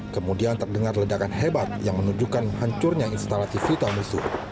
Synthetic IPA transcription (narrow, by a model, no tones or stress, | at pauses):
kəmudiant̪ərdəŋarlədakanɦebat̪̚jaŋmənud͡ʒukanhaɲt͡ʃʊrɲainst̪alat̪ifit̪almusʊh